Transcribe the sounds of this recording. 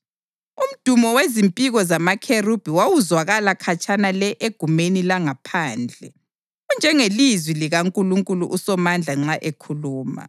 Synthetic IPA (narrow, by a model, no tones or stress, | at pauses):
um̩d̥ʱumɔwezimpʼiɣɔzamakʰerub̥ʱiwawuzwaɣalakʰat͡ʃʼanalɛʔeɡ̥ʱumenilaŋapʰaːnd͡ɮʱɛ | ɣund͡ʒʱɛŋelizwiliɣaŋkʼuluŋkʼuluʔusɔmand͡ɮʱaŋ͡ǁaʔekʰuluːma̰